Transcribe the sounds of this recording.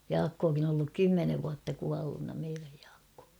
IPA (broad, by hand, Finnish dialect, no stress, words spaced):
jɑːkːokin on olːuk kymːeneʋ ʋuɑtːɑ kuɑlːunːɑ meiræj j̊ɑ̥ːkːo̥ː